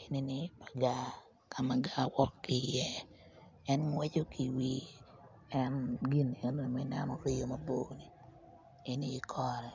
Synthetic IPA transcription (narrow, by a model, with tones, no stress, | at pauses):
e˨ni˦nɪ˦pa˨ɡa˦ | kʰa˨ma˨ɡa˦wɔ˦kːɪ˨jɛ˦ | ɛ˦nŋwɛ˦t͡ʃo˦kʰi˨wi˦ | ɛ˦nɡi˦n˨e˨n˦ni˨mɪ˦na˦no˨ɾɪ˦jo˦mɐ˦boː˦ni˨ | e˦niː˦kʰɔ˦ɾɛ˨